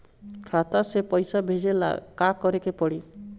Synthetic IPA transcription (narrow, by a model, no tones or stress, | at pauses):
kʰat̪asepɔjsabʱed͡ʒela̰kakɔɾekepɔɽi